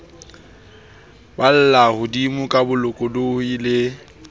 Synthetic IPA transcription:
bal̩lahʊdimʊkʼabʊlʊkʼɔdoilɪ

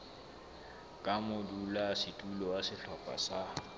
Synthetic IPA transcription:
kʼamʊdulasitʼulɔasɪɬɔpʼa̰sa

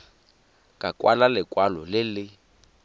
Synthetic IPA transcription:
kʼakʼwalalɪkʼwalɔlɪlɪ

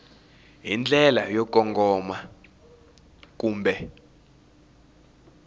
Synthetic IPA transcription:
ɦind͡ɮʱɛlajɔk̬ʼɔŋɡʱɔma | k̬ʼuːmbʱɛ

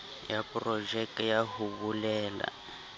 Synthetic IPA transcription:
japrɔd͡ʒɛk̚tjaɦuβulɛːla̰

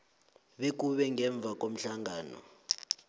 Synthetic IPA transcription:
ɓek̬uɓɛŋʱɛɱb̪vʱak̬ʼom̩ɬaŋaːnɔ̰

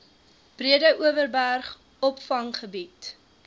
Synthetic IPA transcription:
b̥riədəʔuəvərbærχ | ɔpfɐŋχəbit

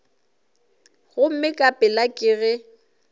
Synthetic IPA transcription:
ɣʊm̩mɪkʼapʼɪlakʼɪɣɪ

